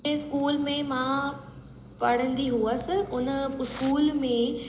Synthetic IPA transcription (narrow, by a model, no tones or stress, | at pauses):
eskuːlmẽmã | pɐɽ̤ə̃nd̪iɦuəsɪʔʊnəɪskuːlmẽ